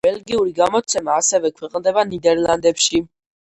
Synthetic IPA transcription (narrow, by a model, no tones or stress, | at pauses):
bɛlɡiuɾiɡamɔt̪sʰɛmaːsɛvɛkʰwɛqʼnd̪ɛbanid̪ɛɾlˠand̪ɛpʃi